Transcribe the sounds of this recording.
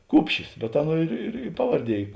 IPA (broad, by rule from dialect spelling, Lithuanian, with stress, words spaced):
ˈkʊpʲʃʲɪs bʲɛ ˈɑːˌnuɔ ɪr ɪr ɪ ˈpɑːʋɐrʲˌdʲiɛ ˈiː